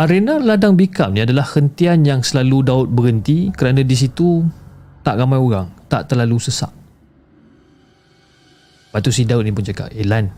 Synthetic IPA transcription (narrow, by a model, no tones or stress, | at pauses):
aɾenaladaŋbika̰mnĩadalahhənt̪ianjaŋsəlaludaʊt̪̚bəɡənt̪ikəɾanãdis̬it̪ut̪aʔɾamajoɣaŋt̪a̰ʔt̪ərlalusəsa̰ʔ̚ | bat̪usidaʊt̪̚nipʊnd͡ʒaka̰pelan